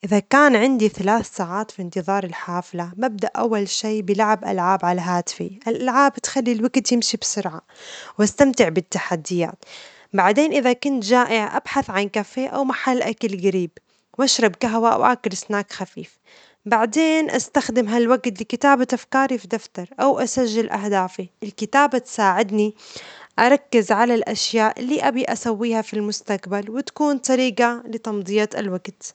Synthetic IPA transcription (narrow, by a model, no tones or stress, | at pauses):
ʔɪðakaːnʕɪnd̪iθalaːθsaːʕaːt̪fint̪ɨðˤɑːɾˤɪlħaːflamab̚d̪aʔʔawːalʃiːbɪlaʕabʔa̰lʕaːbʕalaɦaːt̪ɪ̥fḭʔɪlʔalʕaːbt̪xalːilwaɡt̪jɪmʃibsʊɾʕawʔast̪amt̪ɪʕbɪt̪ːaħad̪ːɪja̰ːt̪ | baʕd̪eːnʔɪðakʊnt̪ʒaːʔɪʕʔa̰b̥ħaθʕankafeːʔa̰wmaħalːʔakalɡaɾiːb | wʔaʃɾˤɑbkaɦwa̰wʔa̰kʊlsnaːkxafḭːf | baʕd̪eːnʔa̰st̪axd̪ɪmɦalwaɡt̪lɪkɪt̪aːbat̪afkaːɾifid̪aft̪ɑɾˤʔawʔasaʒːɪlʔa̰ɦd̪aːfiʔɪlkɪt̪aːbat̪saːʕɪd̪niʔɑɾˤɑkːɪzʕalalʔaʃjaːʔlːiːʔabiʔasawːiːhafilmʊst̪aqbalwɪt̪ḁkuːnt̪ˤɑɾiːqalɪt̪ɑmd̪ˤijːaalwaɡt̪